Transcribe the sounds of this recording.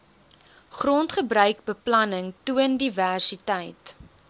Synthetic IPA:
χrɔntχəbɾœɥkbəplɐnəŋtuəndiværsitəjt

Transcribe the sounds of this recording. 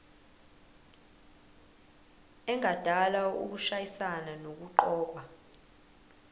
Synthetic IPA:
ɛŋʱad̥ʱalaṵk̬uʃajisananok̬uǃɔːk̬wa

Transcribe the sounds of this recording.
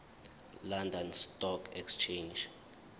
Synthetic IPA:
landɔnstɔkʰɛkst͡ʃʰend͡ʒ

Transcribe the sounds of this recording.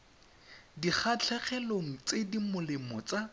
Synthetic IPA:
diχʰat͡ɬʰɛχɛloŋ̩t͡sedimʊlɪmɔt͡sa

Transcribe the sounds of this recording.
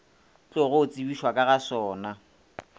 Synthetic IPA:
t͡ɬʊɣʊʊt͡sʼibiʃwakʼaɣasɔːna

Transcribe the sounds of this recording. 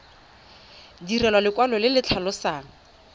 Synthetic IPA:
dirɛlwalɪkwalɔlɪlɪt͡ɬʰalʊsaːŋ̩

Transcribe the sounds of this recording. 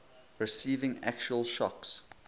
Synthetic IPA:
ɹɪsiːvɪ̃ŋæ̰k̚t͡ʃuəlˠʃɔks

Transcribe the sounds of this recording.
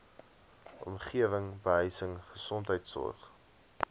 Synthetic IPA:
ʔɔ̰mχiəvəŋbəɦəjsəŋχəsɔntɦəjtsɔ̰rχ

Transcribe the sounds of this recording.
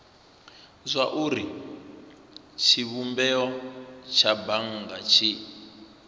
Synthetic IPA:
zʷaʔuɾi | t͡ʃʰiβumbɛɔt͡ʃʰabaŋ̩ɡat͡ʃʰi

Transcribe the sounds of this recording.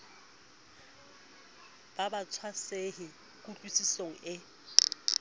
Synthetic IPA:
b̥abat͡sʰwasehɪ | kʼutʼwisisoŋ̩ɪ

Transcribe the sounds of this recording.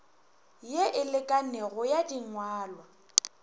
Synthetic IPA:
jeʔɪlɪkʼaneɣʊjadiŋwaːlwa

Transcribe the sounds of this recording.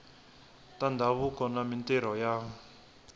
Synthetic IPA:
tandʱaβukɔnamintɛɾ̤ɔja

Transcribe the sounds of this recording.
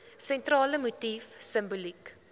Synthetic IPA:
sɛntrɑːləmutifsəmbulik

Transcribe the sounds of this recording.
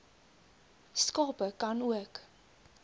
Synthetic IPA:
skɑːpəkɐnuək

